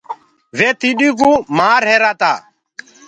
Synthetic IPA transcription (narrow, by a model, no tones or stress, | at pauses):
ʋeːt̪iɗik̬umaːɾɦeːɾaːt̪aː